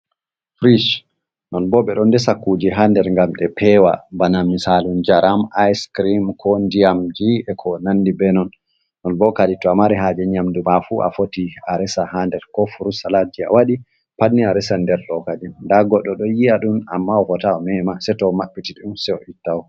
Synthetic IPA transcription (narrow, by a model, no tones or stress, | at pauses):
fɾiʃ | nɔnbɔɓɛɗɔndɛsakːud͡ʒiɦandɛɾŋɡamɗɛpʰɛwa̰banamːisalund͡ʒaɾamajskɾimkʰɔndiamd͡ʒiɛkʰɔnandibɛnɔnː | ɔnbɔkaditɔamaɾɛɦad͡ʒɛɲamdumafuʔa̰fotiaɾɛsahandɛɾkɔfuɾusalad͡ʒia̰waɗi | panːiaɾɛsandɛɾdɔkad͡ʒɛnndaɡɔɗɔɗɔjiaɗuna̰mːaɔkɔtaɔmɛmasɛtɔmaɓːitiɗiunsɛɔitːawɔ